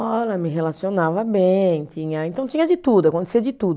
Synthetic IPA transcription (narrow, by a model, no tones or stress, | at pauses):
ɔlɐmɪɦelasionavɐbẽt͡ʃĩɲɐẽnt̪ɐ̃w̃t͡ʃ̪iɲɐd͡ʒɪt̪ud̪ʊakõnt̪e̥siɐd͡ʒɪt̪ud̪ʊ